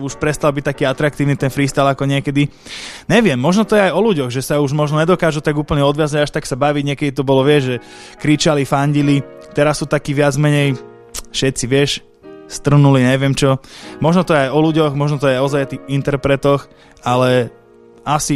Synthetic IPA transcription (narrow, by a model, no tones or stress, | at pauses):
uʃpɾɛst̪albic̚t̪akiːat̪ɾak̚t̪iːʊnit̪ɛnfɾiːst̪alakɔɲɪɛkɛd̪i | ɲɛʋɪɛmːɔʒnɔt̪ɔjɛajɔluɟɔɣʒɛsauʒmɔʒnɔɲɛd̪ɔkaːʒut̪aɡuːpl̩ɲɛɔd̪ʋɪazaɟaʃt̪aksabaʋiɟɲɛkɛd̪it̪ɔbɔlɔʋɪɛʒʒɛ | kɾit͡ʃalifaɲɟili | t̪ɛɾasːuːt̪akiːʋɪad͡zmɛɲɛj | fʃɛt̪t͡siʋɪɛʃ | st̪r̩nuliɲɛʋɪɛmt͡ʃɔmɔʒnɔt̪ɔjɛajɔluɟɔxmɔʒnɔt̪ɔjɛaɔzajat̪iint̪ɛɾpɾɛt̪ɔx | alɛ | asi